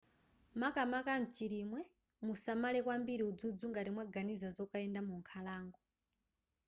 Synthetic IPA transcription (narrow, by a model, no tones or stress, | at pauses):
makamakan̩t͡ʃiɾimwɛ | musamalɛkwambiɾiud͡zud͡zuŋɡatimwaɡanizazɔkaɛndamuŋkʰalaːŋɡɔ